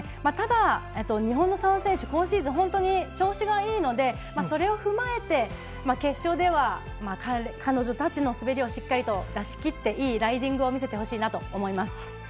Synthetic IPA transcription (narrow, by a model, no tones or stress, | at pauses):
mat̪ad̪aet̪ːo̞ɲ̟iɦõnːo̞sãsẽ̞ɕɨkõ̞ːɰ̃ɕiːzɨɦõ̞nt̪o̞ɲ̟it͡ɕo̞ːɕiɡaiːno̞d̪e̞ | maso̞ɾe̞o̞ɸɯ̟mae̞t̪e̞ | make̞ɕːo̞ːd̪e̞β̞a | makakʰano̞ʑo̞t̪at͡ɕino̞sɨbe̞ɾʲio̞ɕikːaɾʲit̪o̞d̪aɕi̥kʲit̪ːe̞ʔiːɾaid̪ʲĩŋɡɯ̟o̞mʲise̞t̪e̞ɦo̞ɕiːnat̪o̞ːmo̞imasɨ̥